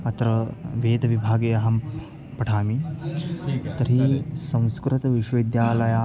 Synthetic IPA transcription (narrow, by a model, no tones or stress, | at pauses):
ɐt̪ɾɐʋeːd̪ɐʋibʱaːɡeːɐɦɐm | pɐʈʰaːmi | t̪ɐɾisɐ̃w̃skɾɐt̪ɐʋiʃʋɐʋid̪jaːlɐjaː